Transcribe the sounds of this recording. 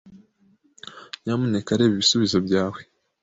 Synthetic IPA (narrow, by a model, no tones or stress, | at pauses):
jamune̞kaɾe̞ːβiβisuβizo̞bɟaːwe